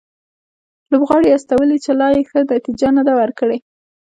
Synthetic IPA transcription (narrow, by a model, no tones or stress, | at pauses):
lobɣɑɽeast̪awəlit͡ʃelɑjexənat̪id͡ʒanad̪awəɾkəɽe